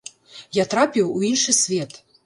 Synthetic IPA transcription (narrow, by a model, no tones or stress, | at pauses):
jat̪ɾapʲiwuinʂɨsʲvʲɛt̪